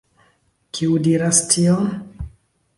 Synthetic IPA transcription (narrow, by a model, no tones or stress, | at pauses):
kʰiudiɾastʰion